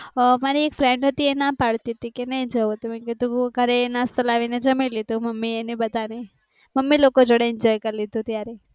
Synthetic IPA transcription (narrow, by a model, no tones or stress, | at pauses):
maɾiekfɾeɳɖɦət̪ienapaɭt̪iət̪ikenəid͡ʒəʋt̪eməket̪ũɡʱəɾenast̪əlaʋined͡ʒəmelid̪ũməmːienibəd̪ʱane | məmːilokod͡ʒoɽeɪnd͡ʒɔjkəɾlid̪ũt̪jaɾe